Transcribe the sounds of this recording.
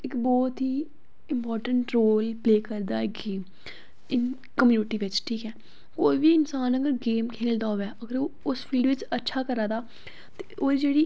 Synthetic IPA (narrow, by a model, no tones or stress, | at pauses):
ɪkbɔːt̪ɦiː | ɪmpɔːɾʈəɳʈɾoːlpleːkəɾd̪aːɪɡeːm | ɪn | kəmjuːnɪʈiːʋɪt͡ʃʈʰiːkɛː | koːibiɪnsaːnəɡəɾɡeːmkʰeːəld̪aːoːʋɛːʔəɡəɾoːʊspʰiːlɖʋɪt͡ʃətːʃʰaːkəɾãːd̪aː | t̪e̥ʔoːd͡ʒeːɽiː